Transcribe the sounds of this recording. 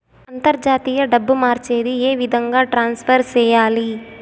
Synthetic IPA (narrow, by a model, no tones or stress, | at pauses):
ɐnt̪ɐɾd͡ʒaːt̪ijɐɖɐbːumaːɾt͡ʃeːd̪ieːʋid̪ʱɐŋɡaːʈɾaːnspʰɐɾsɛːjaːli